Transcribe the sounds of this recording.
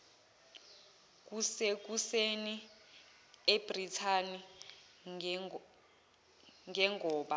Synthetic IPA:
k̬ʼusek̬useni | eb̥ritʰani | ŋʱɛŋʱɔːɓa

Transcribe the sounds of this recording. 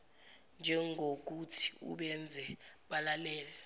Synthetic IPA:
nd͡ʒʱɛŋʱok̬utʰi̥ṵɓɛnd͡zʱɛɓalalɛːlɛ

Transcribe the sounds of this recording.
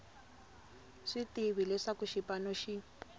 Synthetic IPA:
ʂitiβilɛʂakuʃipanoʃi

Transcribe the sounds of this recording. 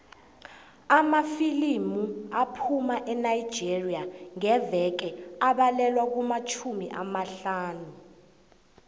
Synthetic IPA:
amafilimuapʰumaʔɛnajid̥d͡ʒʱiriaŋɛvɛk̬ɛaɓalɛlwak̬umat͡ʃʰumiʔamaɬaːnu

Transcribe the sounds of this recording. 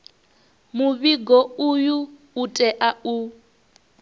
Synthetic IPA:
muβiɡɔujuː | tʼɛʔau

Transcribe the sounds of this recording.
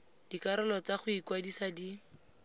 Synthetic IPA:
d̥ikaɾʊlɔt͡saχʊikwadisadi

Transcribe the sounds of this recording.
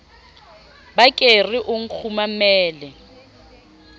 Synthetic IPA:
bakʼeriʔʊŋ̩k͡xʰumamɛːlɛ

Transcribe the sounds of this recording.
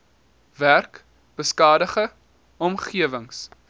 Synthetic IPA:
værk | b̥əskɑːdəχə | ɔmχiəvəŋs

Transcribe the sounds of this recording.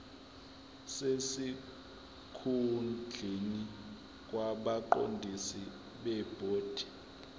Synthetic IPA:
sesi | kʰund͡ɮʱeni | k̬ʼwaɓaǃo̰ndʱisi | ɓɛb̥ʱoːd̥ʱi̥

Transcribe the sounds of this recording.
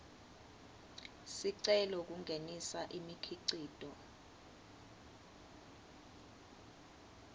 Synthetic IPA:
siǀɛlɔk̬uŋʱenisaʔimikʰiǀiːd̥ʱɔ

